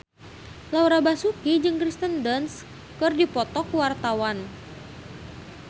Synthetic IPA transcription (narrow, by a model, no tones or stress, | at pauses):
lawɾabasukid͡ʒɨŋkɾist̪əndəns | kɨrdipɔt̪ɔkuwart̪awan